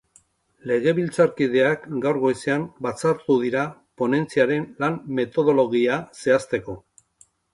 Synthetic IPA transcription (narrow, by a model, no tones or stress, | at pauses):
le̞ɣ̞e̞βilt͡saɾkið̞e̞akɡawɾɣo̞jseanbat͡saɾt̪uðiɾapo̞ne̞nt͡siaɾe̞nlamme̞t̪o̞ð̞o̞lo̞ɣiase̞ast̪e̞ko̞